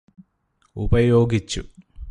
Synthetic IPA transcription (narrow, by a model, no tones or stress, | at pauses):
ubɐjo̞ːɡit͡ɕːu